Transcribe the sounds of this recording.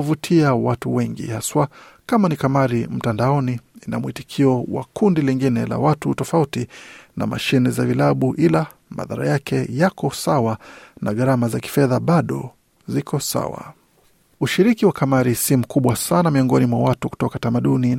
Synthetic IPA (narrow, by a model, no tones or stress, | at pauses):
vutʰiawatuwɛŋɡḭhaswakamanikamaɾim̩tandaɔniina̰muitikʰiɔwa̰kundiliŋɡinɛla̰watutɔfautina̰ma̰ʃinizavilaɓuʔila | ma̰ða̰ɾa̰jakʰɛjakɔsawana̰ɠaɾamazaki̥fɛðaɓaɗɔ̰ | zikʰɔsa̰wa̰ | uʃiɾikiwakamaɾisim̩kuɓwasanamiɔŋɡɔnimwawatuku̥tɔkatamaɗuni